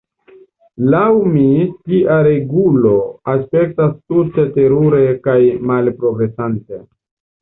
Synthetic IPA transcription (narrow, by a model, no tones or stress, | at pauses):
lawmitiʔaɾe̞ɡulo̞aspe̞k̚tastute̞te̞ɾuɾe̞kajmalpɾo̞ɡɾe̞sante̞